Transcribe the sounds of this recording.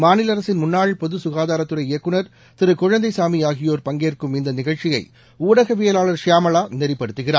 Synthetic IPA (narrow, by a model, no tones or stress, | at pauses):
maːnɪlɐɾɐsɪnmʊnːaːɻpɔðɯsʊɣaːðaːɾɐt̪ːɯɾɐɪɪjɐkːɯnɐɾ | t̪ɪɾɯkʊɻɐnd̪ɐɪsaːmiaːɣɪjoːɾpɐŋɡeːrkɯmɪnd̪ɐnɪɣɐɻt͡ʃɪjɐɪ | uːɽɐɣɐʋejɐlaːɭɐɾʂjaːmɐɭaːnɛɾɪpːɐɽɯt̪ːɯɣɪraː